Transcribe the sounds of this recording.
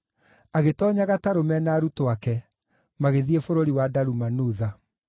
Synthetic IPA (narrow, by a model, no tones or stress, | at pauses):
aɣetɔɲaɣataɾomɛnaɾutoakɛ | maɣeðiefoɾoɾiwadaɾumanuða